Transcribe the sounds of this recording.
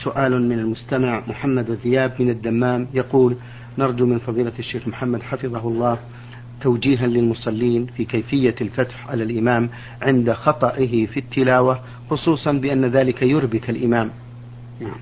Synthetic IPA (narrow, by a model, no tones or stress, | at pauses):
sʊʔaːlmɪnalmʊst̪amaʕmʊħamːad̪waðɪjaːbmɪnad̪ːamːaːmjɑquːl | nɑɾˤd͡ʒumɪnfɑðˤiːlaʃːeːxmʊħamːad̪ħafɨðˤɑɦʊlˤːɑː | t̪awd͡ʒiːɦanlɪlmʊsˤɑlːiːnfiːkajfɪjːalfat̪ħʕalalʔɪmaːm | ʕɪnd̪axɑt̪ˤɑʔɪɦɪfit̪ʰːɪlaːwa | xʊsˤuːsˤɑnbɪʔanːaðaːlɪkajʊɾbɪt̪alʔɪmaːm | naʕm